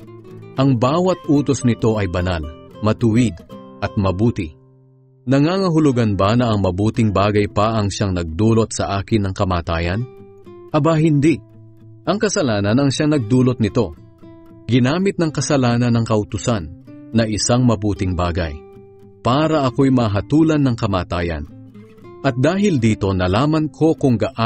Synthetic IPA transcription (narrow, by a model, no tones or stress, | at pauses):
ʔɐŋbaːwɐt̪ʔuːt̪o̞snɪt̪o̞ɐjbɐnalmɐt̪ʊɪd̪̚ʔɐt̪̚mɐbuːt̪ɪ | nɐŋaːŋɐɦʊlʊɡɐnbɐnɐɐŋmɐbuːt̪ɪŋbaːɡɐjpɐʔɐŋʃaŋnɐɡ̚d̪uːlo̞t̪̚sɐʔaːkɪnːɐŋkɐmaːt̪aːjɐ̰n | ʔɐbahɪnd̪iʔ | ʔɐŋkɐsɐlaːnɐnɐŋʃaŋnɐɡ̚d̪uːlot̪̚nɪt̪o̞ | ɡɪnaːmɪt̪̚nɐŋkɐsɐlaːnɐnɐŋkɐʔʊt̪ʊsanːɐʔɪsaŋmɐbuːt̪ɪŋba̰ːɡɐ̰j | paːɾɐʔɐko̞jmɐɦɐt̪uːlɐnːɐŋkɐmaːt̪aːjɐ̰n | ʔɐt̪̚d̪aːɦɪld̪iːt̪o̞nɐlaːmɐnkʰo̞kʊŋɡɐʔ